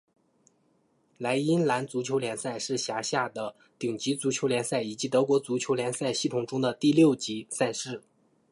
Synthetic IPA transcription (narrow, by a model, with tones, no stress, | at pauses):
la˧˥ɪi˥nla˧˥nt͡su˧˥t͡ɕʰjo˧˥ʊljɛ˧˥nsa˥˧ɪʂɻ̩˥˩ɕja˧˥ɕja˥˩d̪ə˩ | t̪i˨˩ŋt͡ɕi˧˥t͡su˧˥t͡ɕʰjo˧˥ʊljɛ˧˥nsa˥˩ɪi˨˩t͡ɕi˧˥t̪ɤ˧˥kwɔ˧˥t͡su˧˥t͡ɕʰjo˧˥ʊljɛ˧˥nsa˥˧ɪɕi˥˩t̪ʰʊ˨˩ŋʈ͡ʂʊ˥ŋd̪ə˨t̪i˥˧ljo˥˩ʊt͡ɕi˧˥sa˥˧ɪʂɻ̩˥˩